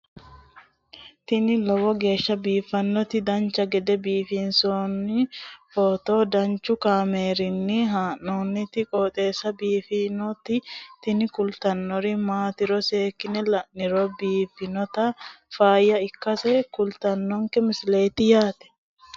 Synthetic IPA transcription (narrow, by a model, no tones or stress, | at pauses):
t̪ɪnɪlɐwɔɡe̞ːʃːɐbiːfɐnːɔt̪ɪd̪ɐnt͡ʃːɐɡɛd̪ɛbiːfinsoːnːɪfoːt̪o̞ːd̪ɐnt͡ʃːʊkaːmeːɾɪnːɪɦaːnoːnːɪt̪ɪkʼɔt̪ʼe̞ːsɐbiːfinɔt̪ɪt̪ɪnɪkʊlt̪ɐnːɔɾɪmaːt̪ɪɾɔse̞ːkːɪnɛlɐʔnɪɾɔbiːfɪnɔt̪ɐfaːjɐɪkːɐsɛkʊlt̪ɐnːɔŋkɛmɪsle̞ːt̪ɪjaːt̪ɛ̥